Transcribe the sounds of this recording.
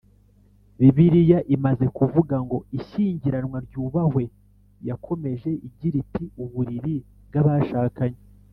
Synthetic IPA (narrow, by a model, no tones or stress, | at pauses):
ɾiβiɾijaʔimaze̞kuvuɡaŋɡo̞iʃiːɲɟiɾanwaɾɟuːβahwe̞ | jakʰo̞me̞ʒe̞ʔiɟiɾitiuβuɾiɾi | bɡaβaʃaːkaɲe